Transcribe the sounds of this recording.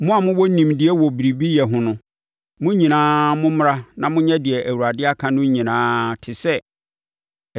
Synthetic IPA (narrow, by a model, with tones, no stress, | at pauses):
mʊ̃˦a˨mʊ̃˦wɔ˦nĩ˨mdɪ˨ɛ˦wɔ˨bi˨ɾi˨bi˦jɛ˨ɦʊ̃˦nʊ̃˦ | mʊ̃˦ɲĩ˨nãː˦mʊ̃˦m˦ɾa˦nã˨mʊ̃˦ɲɛ̃˦dɪ˨ɛ˨ʔæ˨wu˨ɾa˨dɪ˦a˦kʰã˦nʊ̃˦ɲĩ˨nãː˦tʰɪ˨sɛ˦˨